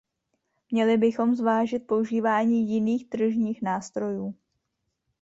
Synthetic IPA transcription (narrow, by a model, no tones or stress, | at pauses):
mɲɛlɪbɪxo̞mzvaːʒɪt̪̚po̞uʒiːvaːɲiːjɪniːxt̪r̩ʒɲiːxnaːst̪ɾo̞juː